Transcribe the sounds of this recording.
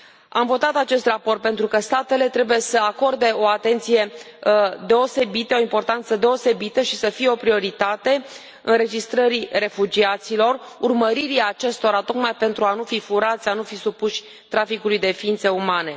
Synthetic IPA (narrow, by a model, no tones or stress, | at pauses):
amvo̞t̪at̪at͡ʃe̞st̪rapo̞rt̪̚pent̪ɾukəst̪at̪e̞le̞t̪ɾe̞buje̞səako̞rd̪e̞o̞at̪e̞nt̪sije̞ | d̪e̞o̞se̞bit̪əo̞impo̞rt̪ant̪səd̪e̞o̞se̞bit̪əʃisəfijeo̞pɾio̞ɾit̪at̪e̞ | ɨnɾe̞d͡ʒist̪ɾəɾire̞fud͡ʒiat̪silo̞r | urməɾiɾiaːt͡ʃe̞st̪o̞ɾat̪o̞kmajpe̞nt̪ɾuanufifuɾat̪sʲanufisupuʃʲ | t̪ɾafikulujd̪e̞fiint̪se̞umane̞̰